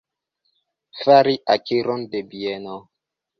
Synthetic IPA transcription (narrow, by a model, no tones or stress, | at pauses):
faɾiʔakiɾondebiɛno